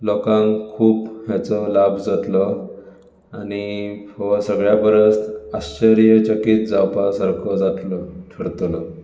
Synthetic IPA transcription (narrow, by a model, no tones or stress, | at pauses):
lɔkãŋkʰuːpɦjat͡sɔlabʱd͡zat̪lɔ | añihɔsəɡɭjabəɾəsast͡ɕəɾijət͡ɕəkiːt̪̚d͡zawpasaɾkʰɔd͡zat̪lɔʈʰəɽt̪lɔ